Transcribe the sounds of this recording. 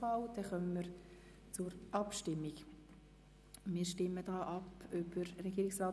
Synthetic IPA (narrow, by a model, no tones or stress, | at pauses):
faʊd̥ɛχœməməɾ | t͡sʊɾʔɑpʃtɪmːik | mɪːɾʃtɪməd̥ɑːʔɑpøb̥əɾːɛɡ̥iːɾɪksraː